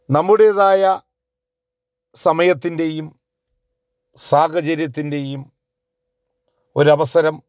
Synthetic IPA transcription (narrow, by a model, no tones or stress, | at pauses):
nɐmːuɽejɐðaːjɐ | sɐmɐjɐt̪ːinde̞jum | saːkɐt͡ɕɐɾjɐt̪̬ːinde̞jum | o̞ɾuɐʋɐsɐɾɐm